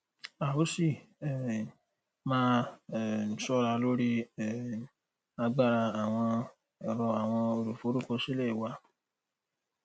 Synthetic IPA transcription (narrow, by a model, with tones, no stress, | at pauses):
a˨o˨˦si˦˨ | mãː˦˨ | n̩˨sɔ˦ɾa˧lo˦ɾi˦˨ | a˧ɡ͡ba˦˧ɾa˧a˨w̃ɔ̃˧˨ | ɾɔ˧a˨w̃ɔ̃˧o˧ɾu˨fo˨˦ɾu˦kɔ˧si˦lɛ˦˨wa˧